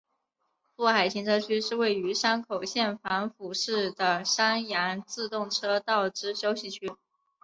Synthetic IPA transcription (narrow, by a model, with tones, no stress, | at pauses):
fu˥˩xa˨˩ɪt͡ɕʰi˧˥ŋʈ͡ʂʰɤ˥t͡ɕʰy˥ʂɻ̩˥˧we˥˩ɪy˧˥ʂa˥nkʰo˨˩ʊɕjɛ˥˩nfa˧˥nfu˨˩ʂɻ̩˥˩d̪ə˩ʂa˥nja˧˥nt͡sɹ̩˥˧t̪ʊ˥˩ŋʈ͡ʂʰɤ˥t̪ɑ˥˩ʊʈ͡ʂɻ̩˥ɕjo˥ʊɕi˥˩t͡ɕʰy˥